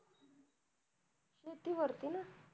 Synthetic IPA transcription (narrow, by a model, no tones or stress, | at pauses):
ɕet̪iʋəɾt̪ina